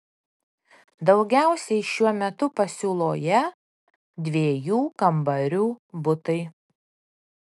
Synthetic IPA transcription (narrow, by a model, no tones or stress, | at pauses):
d̪ɒʊɡʲæˑʊsʲɛɪʃʲuɔmʲɛt̪ʊpɐsʲuːlˠoːjɛ | d̪ʲʋʲeːjuːkɐmbɐɾʲuːbʊt̪ɐɪ